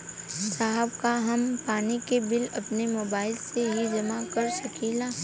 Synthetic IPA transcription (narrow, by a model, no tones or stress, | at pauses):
saːɦəbkaɦɐmpaːnikebɪlɐpnemoːbaːɪlseɦid͡ʒɐmakɐɾsɐkʰilaː